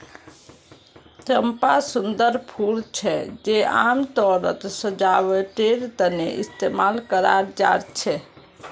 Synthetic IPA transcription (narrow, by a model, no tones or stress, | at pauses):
t̪ɾəmpasund̪əɾpʰult͡ʃʰɛd͡ʒeamt̪ɔɾə̰t̪səd͡ʒaʋɛʈeɾt̪ənḛʔḭst̪emalkəɾaɾd͡ʒa̰ɾt͡ʃʰɛ